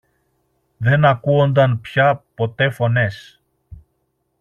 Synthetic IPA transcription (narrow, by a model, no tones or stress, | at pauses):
ðe̞nɐkuo̞nd̪ɐnpçɐpo̞t̪e̞fo̞ne̞s